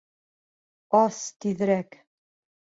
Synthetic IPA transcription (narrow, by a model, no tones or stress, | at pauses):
ɑst̪iðɘɾæk